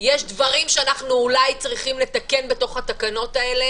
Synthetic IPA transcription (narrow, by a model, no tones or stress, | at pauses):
jeʃdvɐʁimʃeanaχnuːlajt͡sʁiχimle̞t̪ake̞nbe̞to̞χhat̪akano̞tae̞le